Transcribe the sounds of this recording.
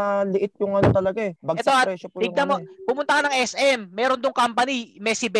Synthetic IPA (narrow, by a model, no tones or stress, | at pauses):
ɐlɪʔɪt̪̚jʊŋɐnot̪ɐlɐɡaɛbɐɡɛt̪oɐpɾɛʃopuɪɡnɐmopʊmʊnt̪ɐkɐnɐŋʔɛsʔɛmːɛːɾond̪oŋkampɐnimɛsɪbɛ